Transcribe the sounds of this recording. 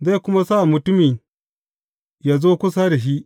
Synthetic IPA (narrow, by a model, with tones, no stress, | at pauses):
za˦jkʷʊ˦ma˦sa˦ʔa˨mʊ˨tʊ˦mi˨ | jaː˦zoː˦kʷʊ˦saː˦da˨ʃ̬i˦ʔ